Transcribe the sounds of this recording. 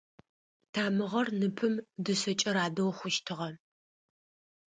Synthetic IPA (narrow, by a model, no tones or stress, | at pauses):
tʰaːmɨʁɐrnɨpʰɨmdɨsɐt͡ʃʼɐɾaːdɐwχʷʊʃtʰɨʁɐ